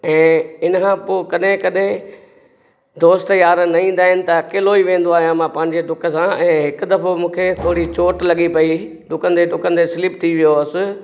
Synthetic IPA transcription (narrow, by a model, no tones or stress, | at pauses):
ɛ̃ːɪnəkʰãpoːkɐɗɦɪ̃kɐɗɦɪ̃ | d̪oːst̪jaːɾnɐĩːn̆d̪aːɦɪnɪ̆t̪ɐkeloiʋẽːn̆d̪oaːɦijãmãpɐ̃ːɪ̃ɲd͡ʑeʈʊkəsãɛ̃ːɦɪkʊd̪ɐfomũːkʰet̪ʰoːɽit͡ɕoːʈlɐɠipɐi | ɖʊkən̆d̪eɖʊkənɪd̪esɪlɪpt̪ʰiʋijoɐsɪ̆